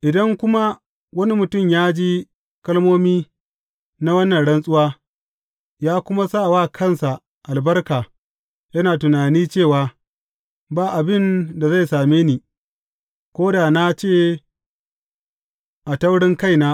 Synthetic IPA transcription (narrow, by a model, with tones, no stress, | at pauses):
ʔɪ˨dɐ˦ŋkʷʊ˦ma˦ | wɐ˦ni˦mʊ˨tʊ˦˨mjaː˦d͡ʒiː˦ | kɐ˦lmoː˦miː˦ | na˦wɐ˦nːɐ˨nɽɐ˦nsʼʊ˦waː˦ | jaː˦kʷʊ˦ma˦sa˦˨waː˦˨kʰɐ˦˨nsa˨ | ʔa˨lbɐ˦rkaː˨ | jɐ˦naː˨tʊ˨naː˨niː˦t͡ʃeː˦˨waː˨ | baː˦˨ʔa˨bɪ˦nda˨za˦˨jsaː˨meː˦niː˨ | kʷoː˦da˨na˦t͡ʃeː˦˨ | ʔa˨tɐ˦wɽɪ˦ŋka˦˨jnaː˦